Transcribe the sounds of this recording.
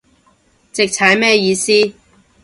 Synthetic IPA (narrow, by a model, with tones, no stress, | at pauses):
t͡sɪ˨k̚t͡sʰɐ˨˥jmɛː˥jiː˧siː˥